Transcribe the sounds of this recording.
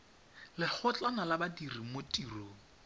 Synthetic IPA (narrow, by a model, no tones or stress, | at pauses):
lɪk͡xʰʊt͡ɬʼanalabadirimotʼiroː